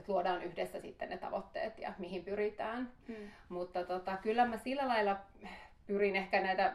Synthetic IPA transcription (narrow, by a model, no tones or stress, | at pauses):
t̪luodɑːnyhdesːæsḭt̪ːennet̪ɑ̰ʋot̪ːḛːt̪jɑ̰mihimpyrit̪æːn | mut̪ːɑt̪ot̪ɑkylːæmæsilːælɑilːɑpyrinehkænæit̪æ